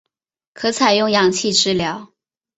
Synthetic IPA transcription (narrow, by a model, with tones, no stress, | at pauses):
kʰɤ˧˥t͡sʰa˨˩ɪjʊ˥˩ŋjɑ˨˩ŋt͡ɕʰi˥˧ʈ͡ʂɻ̩˥˩ljɑ˧˥ʊ